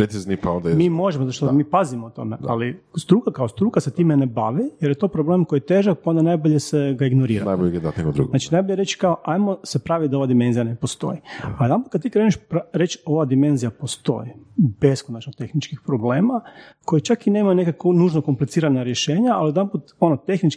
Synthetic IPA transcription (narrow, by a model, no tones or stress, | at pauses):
pɾet̪siznipaond̪amiːmo̞ʒemozaoʃt̪omiːpazimout̪o̞̰meʔa̰list̪ɾuːkakaost̪ɾuːkaset̪iːmenebaʋijeɾjet̪o̞pɾoble̞ːmkojijet̪eːʒak̚pao̞nd̪anajboʎeseɡaiɡnoɾiːɾanajboʎeɡed̪at̪nekod̪ɾṵɡonat͡ʃinajboʎeɾet͡ʃkaoʔajmosepɾaːʋit̪̚d̪aoʋad̪ime̞nzijanepost̪o̞̰jialid̪anput̪̚kad̪t̪ikɾeːniʃpɾaɾe̞t͡ʃo̞ʋad̪ime̞nzijapost̪o̞̰jib̥e̞skonat͡ʃnoɡ̚t̪exnit͡ʃkixpɾo̞ble̞ːmakojet͡ʃakine̞ːmajunekakonuːʒnokomplit̪siːɾanaɾjeʃeːɲaalid̪amput̪o̞not̪e̞xnit͡ʃk